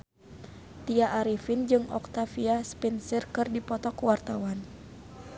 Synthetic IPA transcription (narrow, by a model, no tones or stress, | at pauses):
t̪iaʔːɾifind͡ʒɨŋɔ̰k̚t̪afiaspinsirkɨrdipɔt̪ɔkuwart̪awan